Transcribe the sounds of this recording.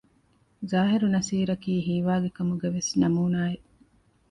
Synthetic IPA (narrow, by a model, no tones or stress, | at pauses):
zaːɦeɾunɐsiːɾɐkiːɦiːʋaːɡekɐmuɡɐʋesnɐmuːnaːeʔ